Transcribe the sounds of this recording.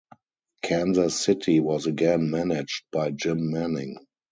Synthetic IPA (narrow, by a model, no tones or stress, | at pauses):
kʰæ̃nzasɪtʰiwɔzəɡɛ̃nmænɪd͡ʒt̚b̥aɪd͡ʒɪ̃mːænɪ̃ŋ